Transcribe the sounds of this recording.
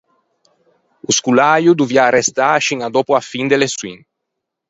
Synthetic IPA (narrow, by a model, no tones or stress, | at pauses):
uskulajud̪uvjaɾest̪aʃiŋad̪opuafind̪eleswḭŋ